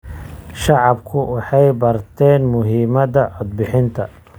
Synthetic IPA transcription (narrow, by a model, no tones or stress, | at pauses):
ʃɑʕɑbkʰʊwɑħɑjbɐrt̪ʰɛːnmʊɦiːmɐðɐʕɔd̪̚bɪħɪnt̪ʰɐ